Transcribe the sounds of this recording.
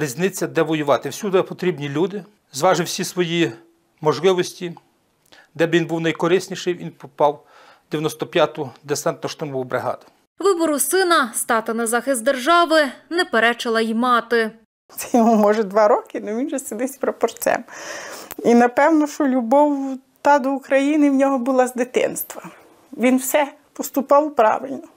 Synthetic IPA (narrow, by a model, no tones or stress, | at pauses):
ɾʲizʲnɪt͡sʲːɐd̪ɛʋɔjʊʋɑt̪ɪwsʲud̪pɔt̪ɾʲibnʲilʲud̪ɪ | zʋɑʒɪwsʲisʋɔji | mɔʒlˠɪʋɔsʲtʲi | d̪ɛbʋinbuwnɐjkɔɾɪsʲnʲiʃɪjʋʲinpɔpɑw | d̪̥ʲejɐnɔst̪ɔpʲjɑt̪ʊd̪esɛnt̪nɔʃt̪ɪmɔbʋʊbɾɪɦɑ̰d̪ʊ̥ | ʋɪbɔɾʊsɪnɐst̪ɑt̪ɪnɐzɑxɪst̪d̪erʒɑʋɪnɛpeɾɛt͡ʃɐlˠɐjimɑt̪ɪ | t̪sɛ̥jɔmumɔʒɛd̪ʋɑɾɔkɪnɔʋʲinʒɛsɪd̪ɪsʲpɾɔpɔrt͡ssʲɛ̰m | inɐpɛwnɔʃt͡ʃɔlʲʊbɔw | t̪ɑd̪ɔʊkɾɐjinɪwnʲɔɦɔbʊlˠɑzd̪ɪt̪ɪ̰nst̪ʋɐ | ʋʲinwsɛ | pɔst̪ʊpɑwpɾɑ̰ʋɪlʲnɔ